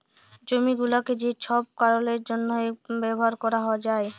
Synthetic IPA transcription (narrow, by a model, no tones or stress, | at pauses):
d͡ʑomiɡuloked͡ʑet͡ɕʰɔb̚kaɾoleɾd͡ʑonːoebɛboɦaɾkɔɾaɦɔoad͡ʑae